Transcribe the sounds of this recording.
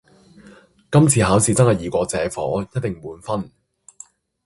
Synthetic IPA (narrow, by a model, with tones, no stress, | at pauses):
kɐ˥mt͡sʰiː˨˧haː˨˥wsiː˨˧t͡sɐ˥hɐ˨˧jiː˨˩kʷɔː˨˧t͡sɛː˨˥fɔ̰ː˨˥jɐ˥t̚t̪ɪ˨˩ŋmuː˨˧nfɐ˥n